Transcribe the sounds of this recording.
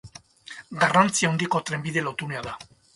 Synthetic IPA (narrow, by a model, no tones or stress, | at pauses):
ɡarant͡siaond̪iko̞t̪ɾe̞mbiðe̞lo̞t̪uneaða